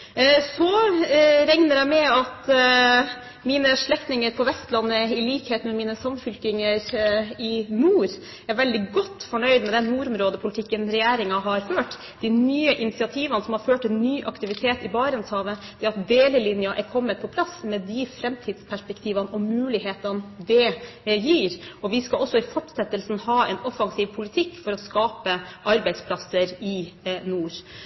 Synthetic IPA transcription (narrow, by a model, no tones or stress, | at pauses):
sɔ | ɾɛŋnəɾæɪmɛɑt̪ | miːnəʂɭɛkt̪nɪŋəɾpʰɔʋɛst̪lɑnːəɪliːkheːt̪mɛmiːnəsɑmfʏlkɪŋəɾɪnuːɾ | æɾʋɛld̪ɪɡɔt̪ːfɔɳœʏd̪mɛd̪ɛnːuːɾʊmɾoːd̪əpʰʊlɪt̪ʰɪkːənɾɛjæːɾɪŋɑɦɑɾføːʈ | d̪̥ɪnyːəʔɪnɪsɪɑt̪ʰiːʋɑnəsɔmhɑɾføːʈɛnːyːʔɑkt̪ɪʋɪt̪ʰeːt̪ɪbɑːɾənshɑːʋət̪ʰɪlɑt̪̚d̪eːləlɪnjɑʔɛɾkʰɔmːət̪̚pʰɔpʰlɑsmɛd̪ɪfɾɛmt̪ʰiːd̪spʰæʂpɛkt̪ʰiːʋɑnɔmːʉːlɪheːt̪ɑnd̪ɛjiːɾɔʋɪskɑɔsːɔɪfɔʈsɛt̪ːəlsn̩hɑːɛnɔfɑŋsiːʋpʰʊlɪt̪ʰɪkːfɔɾɔskɑːpəʔɑɾbæɪd̪spʰlɑsəɾɪnuːɾ